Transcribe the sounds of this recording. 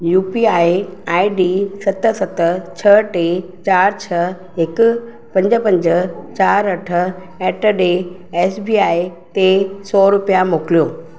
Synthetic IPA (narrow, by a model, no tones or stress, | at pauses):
juːpiaːiaːiɖiːsɐt̪sɐt̪ət͡ɕʰɐʈeː | t͡ɕaːɾt͡ɕʰɐ | ɦɪkʊ̆ | pɐ̃ɲd͡ʑəpɐ̃ɲd͡ʑə̆t͡ɕaːɾɐʈʰə̆ | ɛːʈəɖeː | eːsbiːaːit̪esɔːɾʊpijamoːkɪlijoː